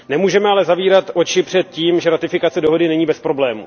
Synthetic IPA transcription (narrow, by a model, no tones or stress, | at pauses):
nɛmuːʒɛmɛalɛzaviːɾat̪ʔo̞t͡ʃɪpr̝̥ɛt̪̚ciːmʒɛɾat̪ɪfɪkat͡sɛdo̞ɦo̞dɪnɛɲiːbɛspɾo̞blɛːmṵ